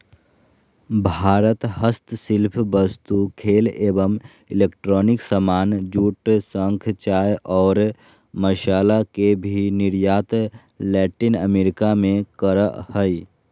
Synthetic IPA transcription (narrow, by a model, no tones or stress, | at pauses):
bʱaːɾət̪həst̪sɪlpʰbəst̪ukʰeːleːbəm | ɪleːkʈɾɔːnɪksəmaːnd͡ʒuːʈsə̃ŋkʰt͡ʃaːjʔɔːɾ | məʃaːlakebʱinɪɾjaːt̪ | lɛːʈɪnəmeːɾɪkamẽkəɾəhəi